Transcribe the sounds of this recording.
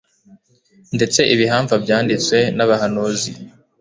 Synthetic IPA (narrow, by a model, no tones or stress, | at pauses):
nde̞t͡se̞ʔiβiɦaːɱvabjaːndit͡swe̞naβahanozi